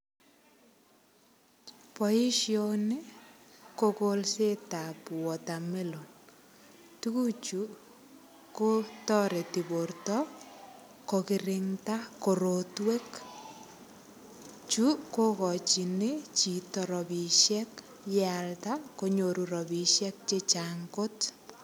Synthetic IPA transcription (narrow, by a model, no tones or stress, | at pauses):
pɔiʃjonekokolsetapwɔtamelon | tukut͡ʃu | kotɔɾɛtibortɔ | kokiɾɪŋtakoɾotwek | t͡ʃukokɔt͡ʃinet͡ʃitɔɾɔbiʃɛk | jaltakoɲoɾuɾɔbiʃɛk̚t͡ʃet͡ʃaŋɡot